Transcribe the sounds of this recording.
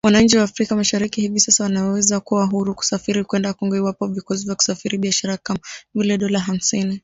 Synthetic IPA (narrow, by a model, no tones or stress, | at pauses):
wanaɲ̩t͡ʃiwaːfɾikamaʃaɾikihivisasawanawɛzakuwaɦuɾuku̥safiɾikwɛndakɔŋɡɔiwapɔvikɔsivjaku̥safiɾiɓiaʃaɾakaavilɛɗɔlaɦam̩sini